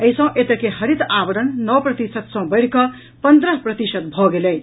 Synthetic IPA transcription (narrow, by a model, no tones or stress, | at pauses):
ʌjsʌ̃w̃ʔet̪ʌkeɦʌɾit̪abʌɽʌnnʌprʌt̪isʌt̪sʌ̃w̃bʌjɾkʌ | pʌnd̪ɾʌɦprʌt̪isʌt̪̚bʱoɡelʌj